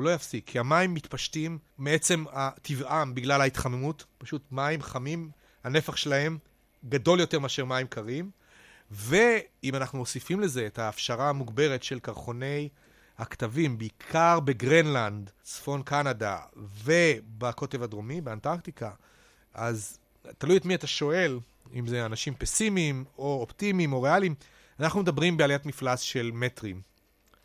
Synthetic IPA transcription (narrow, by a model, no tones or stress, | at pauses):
ulo̞jafsikʰːiamaimːitpaʃtimːee̞t͡se̞matʰivʔambiɡlalhait̪χamemutpaʃutmaimχamim | hane̞faχʃelahe̞m | ɡado̞ljo̞te̞ʁmeaʃe̞ʁmaimkʰaʁim | ve̞imanaχnuosifimle̞ze̞ːtaːfʃaʁaːmuɡbe̞ʁetʃe̞lkaʁχo̞ne̞j | haktavimbeikʰaʁbe̞ɡʁenland̪sfo̞nkanada̰ve̞bako̞te̞vadʁo̞mibeantaʁktika | ʔaz | talujetmietaʃo̞e̞l | ḭmzeanaʃimpesimimo̞optimimo̞ʁe̞alim | anaχnumedabʁimbealjatmiflasʃe̞lmetʁim